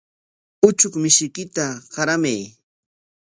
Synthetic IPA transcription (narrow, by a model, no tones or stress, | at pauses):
ʊt͡ʃʊkmɪʃɪkɪt̪aɢɑɾamaj